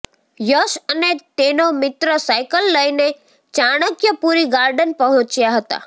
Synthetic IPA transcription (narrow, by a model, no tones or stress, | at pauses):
jəʃənet̪enomɪt̪ɾəsajkəlːəjne | t͡ʃaɽ̃əkjəpuɾiɡaɾɖənpəɦɔ̃t͡ʃjaɦət̪a̰